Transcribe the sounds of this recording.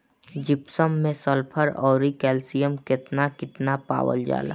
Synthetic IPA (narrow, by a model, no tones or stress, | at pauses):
d͡ʒɪpsəmːẽsəlpʰəɾɔːɾikɛːlsijəmkɪt̪nakɪt̪napa̰ːwə̰ld͡ʒa̰ːla̰